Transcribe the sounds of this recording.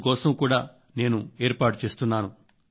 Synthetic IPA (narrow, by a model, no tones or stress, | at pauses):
kɔːsɐmkuːɽaː | ne̞ːnue̞ːɾpaːʈut͡ʃe̞ːst̪unːaːnu